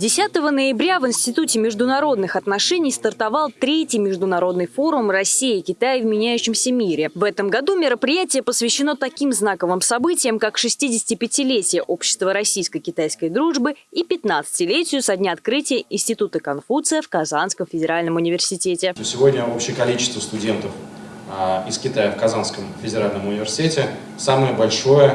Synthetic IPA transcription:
dʲɪsʲat̪əvənəjɪbɾʲavɨɪnʲsʲtʲɪt̪utʲɪmʲɪʐd̪ʊnɐɾo̞d̪nɨxɐt̪nɐʂɛnʲɪjst̪ərt̪ɐvɑlˠt̪ɾʲetʲɪjmʲɪʐd̪ʊnɐɾo̞d̪nɨjfo̞ɾʊmrɐsʲːijɪːkʲɪt̪ajəvmʲɪnʲæjʉɕːɪmsʲəmʲiɾʲɪvɛt̪əmɡɐd̪umʲɪɾəpɾʲɪjætʲɪjəpəsvʲɪɕːɪno̞t̪ɐkʲimznakəvɨmsɐbɨtʲɪjəmkakʂɨsʲtʲidʲɪsʲɪ̥tʲɪpʲɪtʲɪlʲetʲɪjəʔo̞pɕːɪ̥st̪vəɾɐsʲijskəjkʲɪt̪ajskəjd̪ɾuʐbɨipʲɪt̪nat̪sɨ̥tʲɪlʲetʲɪjʊsɐdʲnʲaɐt̪̚kɾɨtʲɪjəʔɪnsʲtʲɪt̪ut̪əkɐnfut̪sɨjəfkɐzanskəmfʲɪdʲɪɾalʲnəmʊnʲɪvʲɪrsʲɪtʲetʲɪt̪osʲɪvo̞dʲnʲəopɕɪjəkɐlʲit͡ɕɪ̥st̪vəst̪ʊdʲe̞nt̪əf | ɪskʲɪt̪ajəfkɐzanskəmfʲɪdʲɪɾalʲnəmʊnʲɪvʲɪrsʲɪ̥tʲetʲɪ | saməjəbɐlʲʂo̞jə

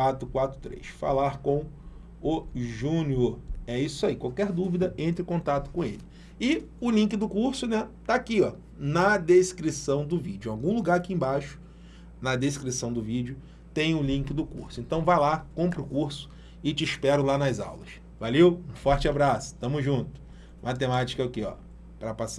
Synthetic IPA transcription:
at̪ɾʊkwat̪ɾʊt̪ɾḛjʃfa̰laɾkõw̃ | ʊʒũnioɾɛisʊaikwawkɛɾd̪uvid̪ɐẽnt̪ɾɪkõnt̪at̪ʊ̥kõelɪ | ɪ | ʊlĩk̬ɪd̪ʊkuɾsʊnɛt̪aakiɔ | nɐd̪eʃkɾisɐ̃w̃d̪ʊvid͡ʒʊawɡũluɡaɾakiẽj̃bajʃʊ̥ | nɐd̪eʃkɾisɐ̃w̃d̪ʊvid͡ʒʊ | t̪ẽj̃ʊlĩŋkɪd̪ʊkṵɾsʊẽnt̪ɐ̃w̃vajlakõmpɾʊkuɾsʊ̥ | ɪt͡ʃɪʃpɛɾʊlanɐza̰wlɐs | valewũfɔɾt͡ʃɪabɾasʊ̥t̪ɐ̃mʊzʒũt̪ʊ̥ | mʔat̪emat͡ʃi̥kɐʊkeɔ̰ | pɾɐpasa

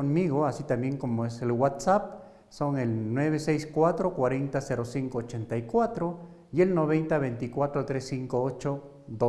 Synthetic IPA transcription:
onmiɣoasit̪ambjeŋkomoeselwat̪sap̚ | soŋelnweβesejskwat̪ɾokwaɾent̪aseɾosiŋkoot͡ʃent̪aikwat̪ɾo | ielnoβent̪aβejnt̪ikwat̪ɾot̪ɾesːiŋkoot͡ʃo | d̪o

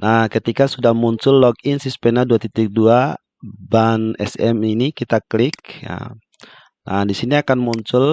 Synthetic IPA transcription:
nahkət̪ikasudahmuɲt͡ʃʊlːɔk̚insispɛnaduat̪it̪ɪk̚dua | banɛ̰sɛ̰minikit̪aklɪk̚ja̰ | nahdisiniakanmuɲt͡ʃʊl

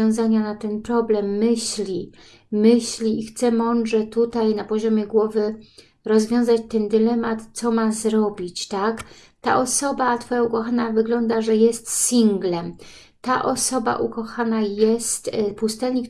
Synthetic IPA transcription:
ɔ̃w̃zaɲanat̪ɛnpɾɔblɛmːɘɕlʲi | mɘɕlʲiːxt̪sɛmɔnd̪ʐɛt̪ut̪ajnapɔʑɔmʲjɛɡwɔvɘ | ɾɔzvʲjɔ̃w̃zat͡ɕt̪ɛnd̪ɘlɛmat̪t̪sɔmazɾɔbʲit͡ɕt̪ak | t̪a̰ʔɔsɔbat̪fɔjaukɔxanavɘɡlɔnd̪aʐɛjɛst̪sʲiŋɡlɛm | t̪aʔɔsɔba̰ʔukɔxanajɛst̪pust̪ɛlɲik

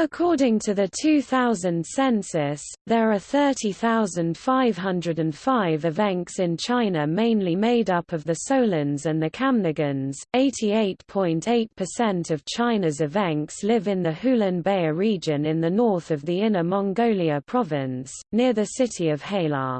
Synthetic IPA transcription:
əkʰɔːdɪ̃ŋtʰəðətʰʉːθaʊzə̃nd̥sɛ̃nsɪs | ðəɹəθɜˑtʰiθaʊzə̃nd̥faɪv̥ɦʌ̃ndɹədə̃nffaɪvɪvɛ̃ŋksɪ̃nt͡ʃʰãɪ̃nəmẽɪ̃nlimeɪdʌpʰəvðəsəʊlə̃nzə̃nðəkʰãmnəɡə̃nz̥eɪtʰieɪtpʰɔ̃ɪ̃ntʰeɪt̚pʰəsɛ̃ntʰəv̥t͡ʃʰãɪ̃nəzɪvæ̃ŋkslɪvɪ̃nðəhʉːlə̃nbeɪəɹiːd͡ʒə̃nɪ̃nðənɔˑθəvðiɪ̃nəmɒ̃ŋɡəʊliəpʰɹ̥ɒvɪ̃ns | nɪəðəsɪtʰiəv̥heɪlɑ̰ː

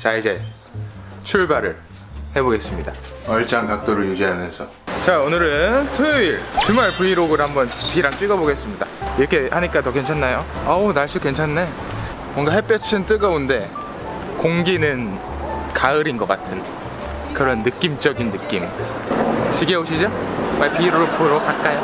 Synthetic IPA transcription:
t͡ɕaid͡ʑe̞ | t͡ɕʰuɭbaɾɯ̰ɭ | he̞boɡe̞s͈ɯmɲidaʌɭt͡ɕʰaŋkak̚t͈oɾɯɭjud͡ʑiɦamjʌnsʰʌ | t͡ɕaonɯɾɯntʰɯiɾt͡ɕumaɭpuiɾoɡɯɭhambʌnpiɾaŋt͡ɕ͈ɥiɡʌboɡe̞s͈ɯmɲida̰iɾʌkʰe̞haɲik͈atʌkwe̞nt͡ɕʰanːajoaonaɭs͈ukwe̞nt͡ɕʰanːe | mwʌŋɡaɦep͈jʌt͡ɕt͡ɕʰint͈ɯɡʌonde̞ | koŋɡinɯn | kaɯɾinɡʌk͈atʰɯn | kɯɾʌnːɯk͈imt͡ɕʌɡinːɯk͈im | t͡ɕiɡeoɕʰid͡ʑomapiːɾoɾopʰoɾokak͈ajo

